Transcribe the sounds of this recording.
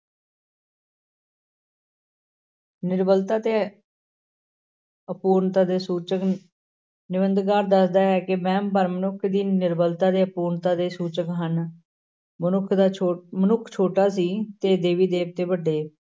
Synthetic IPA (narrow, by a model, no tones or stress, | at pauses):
nɪɾbəlt̪aːt̪eː | əpuːɾnt̪aːd̪eːsuːt͡ʃək | nɪbənd̪ɡaːɾd̪əsd̪aːɛːkɪmɛ̃ːmbəɾmənʊkʰd̪iːnɪɾbəlt̪aːd̪eːəpuːɾnt̪aːd̪eːsuːt͡ʃəkɦən | mənʊkʰd̪aːmənʊkʰt͡ʃʰoːʈaːs̬iːt̪eːd̪eːʋiːd̪eːb̚t̪eːbəɖːeː